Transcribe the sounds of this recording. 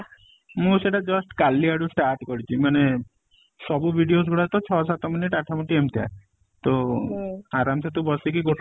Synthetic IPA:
mũseʈad͡ʒɔsʈkalːiaɽusʈaɾʈkɔɾit͡ʃʰimane | sɔbubʱiɖios̬ɡʱuɽat̪ɔt͡ʃʰɔsat̪ɔminiʈaʈʰːamũʈiemt̪ʰa̰ | t̪o | aɾamset̪ubɔsikiɡoʈ

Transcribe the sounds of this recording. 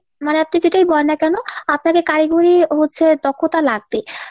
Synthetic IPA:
maneap̚nid͡ʑeʈajbɔenakɛnoapnakekaɾiɡuɾiɦotːɕʰed̪ɔkʰːot̪alaɡ̚t̪e

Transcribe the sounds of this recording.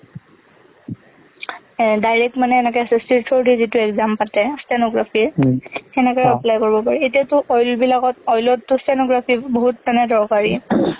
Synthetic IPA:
dajɹɛk̚tmanɛːnɛkɛsstiɹtʰoɹdʱizitʊɛkzampatɛstɛnoɡɹapʰiɹxɛnɛkɛɔplajkoɹibɔpaɹɛetiatʊʔɔjlbilakɔtɔjlɔtːʊstɛnoɡɹapʰiboɦut̚manɛdʱɔɹkaɹi

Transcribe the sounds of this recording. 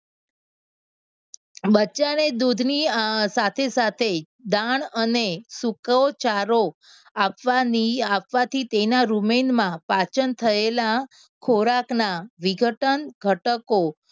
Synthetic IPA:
bəːt͡ʃaned̪ud̪ʱnisat̪ʰesat̪ʰe | d̪aɳənesukot͡ʃaɾo | apʋaniapʋat̪ʰit̪enaɾumenmãpat͡ʃənt̪ʰəela | kʰoɾaknaʋiɡʱəʈənɡʱəʈəko

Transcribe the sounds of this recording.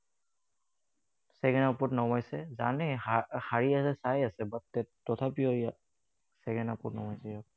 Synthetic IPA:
sɛɡɛnapʊtnɔmajsɛzanɛhaɹiasɛsajasɛbatːɛtːɔtʰapiɔija | sɛɡɛnapɔtnɔmɔjsɛjɔk̚

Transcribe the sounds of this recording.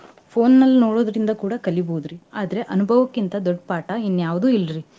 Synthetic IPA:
pʰo̞ːnːɐlːinoːɽo̞ːd̪ɾind̪ɐkuːɽɐkɐliboud̪ɾiaːd̪ɐɾe̞ʔɐnubʱɐʋɐkːint̪ɐd̪ɔɖːpaːʈɐinːjaːʋd̪uːilɾi

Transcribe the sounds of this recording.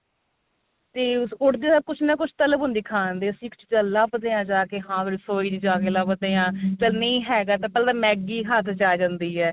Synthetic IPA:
t̪eːsʊʈd̪eːsəb̚kʊt͡ʃʰnaːkʊt͡ʃʰt̪ələbʊnd̪iːkʰaːnd̪eːəsĩːkʊ̥t͡ʃʰd͡ʒəlːəbd̪eːãːd͡ʒaːkeːɦãːbɪɾsoːiːd͡ʒd͡ʒaːkeːləbd̪eːãːt͡ʃəlnəĩːɦɛːɡaːt̪ãːpɛːld̪aːmɛːɡiːɦat̪ʰt͡ʃaːd͡ʒãːnd̪iːɦɛː

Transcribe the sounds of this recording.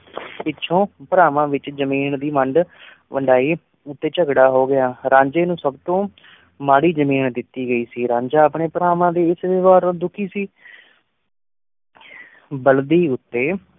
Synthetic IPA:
pɪtːʃʰõːpəɾaːʋãːʋɪt͡ʃzəmiːnd̪iːməɳɖ | ʋəɳɖaːiː | ʊt̪ːeːt͡ʃəɡɽaːɦoːɡɪaːɾãːɲd͡ʒeːnũːsəbt̪õː | maːɽiːd͡ʒəmiːnd̪ɪt̪ːiːɡəiːsiːɾãːɲd͡ʒaːpɳeːpəɾaːʋãːd̪eːɪsʋɪʋaːɾd̪ʊkʰiːsiː | bəld̪iːʊt̪ːeː

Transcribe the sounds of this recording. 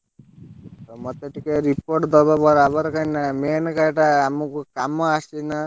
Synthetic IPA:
t̪ɔmɔt̪eʈikeɾipoʈd̪ɔbabɔɾabaɾkajnamenkajʈaamukukamɔasina

